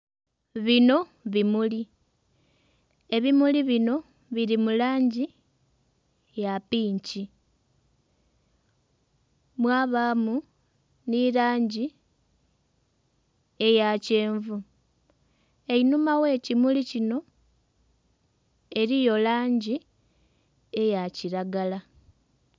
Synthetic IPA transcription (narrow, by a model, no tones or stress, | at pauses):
βino̞ | βimuli | e̞βimuliβino̞ | βiɾimulaːɲɟi | japiːɲci | mwaːβamu | niɾaːɲɟi | e̞jace̞ːɱvu | e̞inumawe̞ːcimulicino̞ | e̞ɾijo̞laːɲɟi | e̞jaciɾaɡala